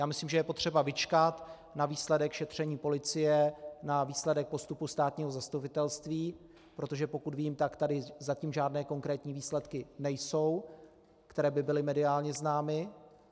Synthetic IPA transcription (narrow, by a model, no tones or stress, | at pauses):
jaːmɪsliːmʒɛjɛpo̞t̪r̝̥ɛbavɪt͡ʃkat̪ | naviːslɛdɛkʃɛt̪r̥ɛɲiːpo̞lɪt͡sɪjɛnaviːslɛdɛk̚po̞st̪upust̪aːt̪ɲiːɦo̞zast̪upɪt̪ɛlst̪viː | pɾo̞t̪o̞ʒɛpo̞kud̪viːmt̪akt̪adɪzaciːmʒaːdnɛːko̞ŋkɾɛːt̪ɲiːviːslɛt̪kɪnɛjso̞w | kt̪ɛɾɛːbɪbɪlɪmɛdɪaːlɲɛznaːmɪ